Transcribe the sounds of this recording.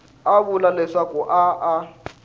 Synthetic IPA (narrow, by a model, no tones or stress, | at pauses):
aβulalɛʂakuʔaʔa